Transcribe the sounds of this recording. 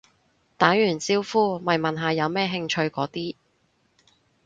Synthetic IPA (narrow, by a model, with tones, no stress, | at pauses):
t̪aː˨˥njyː˨˩nt͡siː˧wfuː˥mɐ˨˩jmɐ˨nɦaː˨˧jɐ˨˧wmɛː˥ɦɪ˧ŋt͡ʃʰɵ˧ɥkɔː˨˥t̪iː˥